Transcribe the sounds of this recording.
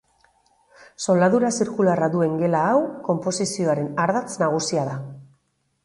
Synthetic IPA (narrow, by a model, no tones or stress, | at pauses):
so̞ld̪aðuɾasiɾkularaðue̞ŋɡe̞laːwko̞mpo̞sisio̞aɾe̞naɾðat͡snaɣ̞usiaða